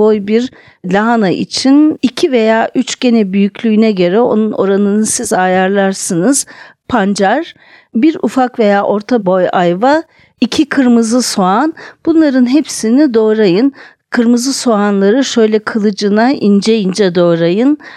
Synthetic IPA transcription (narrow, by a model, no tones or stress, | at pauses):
ojbiɾ | lʲaɦanaʔḭt͡ʃʰinicʰive̞jaːʔyt͡ʃɟ̥e̞nɛbyjycʰʲlʲyːnɛɟø̞ɾɛo̞̰nuno̞̰ɾanɯnɯsizajaɾlˠaɾsɯnɯz̥pʰand͡ʒaɾ | biɾṵfakve̞jaːʔo̞ɾt̪ʰabo̞jajva | icʰikʰɯɾmɯzɯso̞anb̥unlˠaɾɯnɦepsinid̪o̞ːɾajɯn | kʰɯɾmɯzɯso̞anlˠaɾɯʃø̞jlʲɛkʰɯlˠɯd͡ʒɯnaʔind͡ʒejind͡ʒɛd̪o̞ːɾajɯn